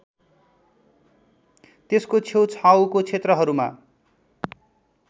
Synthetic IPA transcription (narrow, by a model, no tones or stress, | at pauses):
t̪eskot͡sʰewt͡sʰawkot͡sʰet̪rʌɦʌɾuma̰